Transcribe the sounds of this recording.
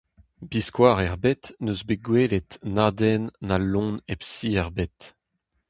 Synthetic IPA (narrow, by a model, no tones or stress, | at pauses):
biskwaːʁɛʁbɛt̪nøzbeɡweːlet̪naːdɛnːalːɔ̃nepsiɛʁbɛt̪